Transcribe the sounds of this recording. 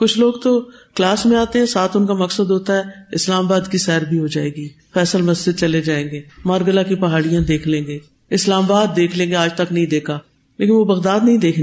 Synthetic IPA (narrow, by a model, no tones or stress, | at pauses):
kʊt͡ʃʰloːɡt̪oklaːsmẽaːt̪eɦɛ̃saːt̪ʰʊnkamɐksəd̪ɦoːt̪aɦɛːɪslaːmabaːd̪kisɛːɾbʱiɦod͡ʒaːeːɡiː | fɛːsəlmɐsd͡ʒɪd̪̚t͡ʃɐled͡ʒaːẽːŋɡeːmaːɾɡəlakipɐɦaːɽijãd̪eːkʰlẽːɡeː | ɪslaːmabaːd̪̚ːeːkʰlẽːŋɡeaːd͡ʒt̪ɐknɐɦĩd̪eːkʰaː | leːkɪnʋoːbɐɣd̪aːd̪nɐɦĩd̪eːkʰ